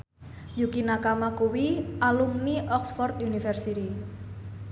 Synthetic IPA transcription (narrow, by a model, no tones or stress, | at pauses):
jukinakamakuwiʔalumniʔɔksfɔrt̪junifɛrsit̪i